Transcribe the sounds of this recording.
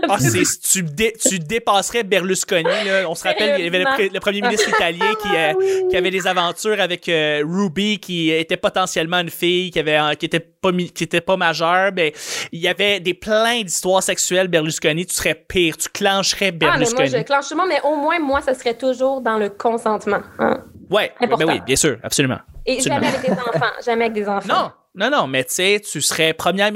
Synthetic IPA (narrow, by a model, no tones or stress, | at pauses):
asset̪yd̪et̪yd̪epɑːsʁɛbɛʁlyskɔnilɔɔ̃səʁapɛljavɛləpləpχəmjeminɪst̪χit̪aljɛ̃kʲʰikʲiavɛd̪ezavɑ̃t̪yːʁavɛkəʁubikʲʰiet̪ɛpɔt̪ɑ̃sjɛlmɑ̃ynfɪjkʲiavɛɑ̃kʲiet̪ɛpɔmkʲiet̪ɛpɔmaʒœːʁmɛiljavɛd̪eplɛ̃d̪ist̪waːʁsɛksyɛlbɛʁlyskɔnit̪y̥sʁɛpiːʁt̪y̥klɑ̃ʃʁɛbɛʁlyskɔnklɑ̃ʃsmãmɛʔomwɛ̃mwasasʁɛt̪ʊʒuːʁd̪ɑ̃ləkʰɔ̃sɑ̃t̪mɑ̃ã̰wɛɛ̃pɔbɛwwḭbjɛ̃syːʁa̰psolymɑ̰̃eʒsam̰̃ɛavɛkk̚d̪ezɑ̃fɑ̰̃ʒamɛavɛk̚d̪ezɑ̃fnɑɔ̃ | nɔ̃nɔ̃mɛset̪ysəʁɛpχəmjɛ